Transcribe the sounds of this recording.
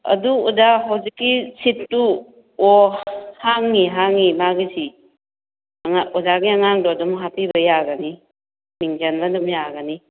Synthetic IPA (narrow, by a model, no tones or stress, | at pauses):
ɐ̰duudaɦawzikːisittːu | ɔhaŋniɦaŋːimaɡisi | ŋaɔdaɡiaŋaŋdɔdɔmɦapibajaɡani | miŋzanbandumjaɡani